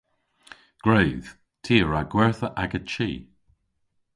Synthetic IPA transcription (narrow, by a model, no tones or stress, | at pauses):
ɡ̥ɹeːð̥ | tʰiːəɹaɡ̥wɛɹθəʔaɡət͡ʃḭː